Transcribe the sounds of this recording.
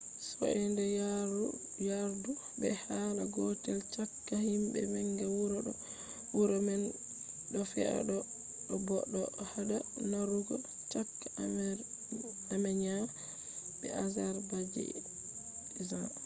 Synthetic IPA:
sɔ̰ɛndɛ | jaɾdu | bɛhalaɡɔtɛlt͡ʃakːahimbɛ̰mɛŋɡɛwuɾɔ | wuɾɔmɛn | ɗɔfɛ̰a̰ɗɔ | ɗɔbɔɗːɔhaɗanaɾuɡɔ | t͡ʃakːa | amɛɲa | bɛazaɾbad͡ʒɛ̰ | iza

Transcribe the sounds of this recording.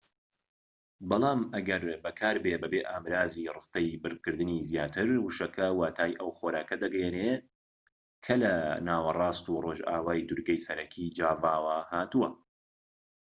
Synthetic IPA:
bɑlˠɑːmɐɡɐɾbɐkʰaːɾbeːbɐbeːʔaːmɾaːzirɨst̪ɐjbɨɾkɨɾd̪ɨniːzjaːt̪ʰɨɾwɨʃɐkʰɐwaːt̪ʰaːjʔɐwχoɾaːkɐd̪ɐɡjene | kʰɐlɐnaːwɐrˤɑːst̪uːroːʒa̰ːwaːjd̪uɾɡɐjsɐɾɐkʰid͡ʒaːvaːwahaːt̪uwɐ

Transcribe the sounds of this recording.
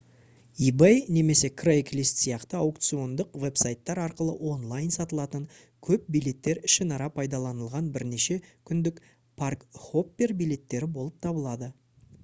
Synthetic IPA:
ibejne̞me̞se̞kʰrejklʲist̪sijɑqt̪əawkt̪sio̞nd̪əqve̞psajt̪ːɑɾɑɾqəlˠə̰ʔo̞nlˠajnsɑt̪əlˠɑt̪əɴ | kʲʰɵp̚bijle̞t̪ːe̞ɾɪʃɪnɑɾɑpʰɑjd̪ɑlˠɑnəlˠʁɑnbɪɾne̞ʃe̞kʲʰʏnd̪ɪk | pʰarkχo̞pːe̞rbijle̞t̪ːe̞ɾɪbo̞lˠəp̚t̪ʰɑbəlˠɑd̪ə

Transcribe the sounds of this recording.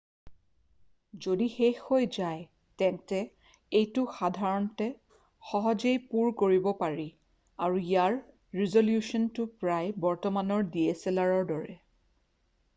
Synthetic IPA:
zodixexojzaj | tɛntɛ | ejtʊxadʱaɹɔntɛ | xɔɦɔzejpuɹkoɹibɔpaɹi | aɹuijaɹ | ɹizoljusɔntʊpɹajbɔɹtɔmanɔɹdieselaɹɔɹdɔɹɛ

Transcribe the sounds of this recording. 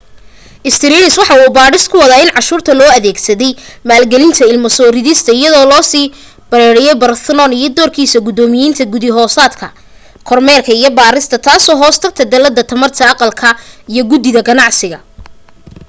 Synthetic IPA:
ʔɪst̪ʰɪɾiːnɪswɑħɑuːbaːɾɪst̪kʰʊwɑðaːɪnʕɑʃuːrt̪ʰɐlɔːɐðɛːɡsɐðɛjmaːlɡɛlɪnt̪ʰɐɪlmɐsɔːɾɪðɪst̪ʰɐɪjɐðɔːlɔːsiː | b̥ɐɾɛːɾɛjɛjbɐrsɛlɔnijɞd̪ɔːrkʰiːsɐɡʊd̪ɔːmɪjiːnt̪ʰɐɡʊðɪɦɔːsaːd̪kʰɐ | kʰɔrmɛːrkʰɐijɞbaːɾɪst̪ʰɐt̪ʰaːsɔːɦɔːst̪ʰɐɡt̪ʰɐd̪ɐlɐd̪ːɐt̪ʰɐmɐrt̪ʰɐɑqɑlkʰɐijɞɡʊd̪ɪðɐɡɐnɑʕsɪɣɐ

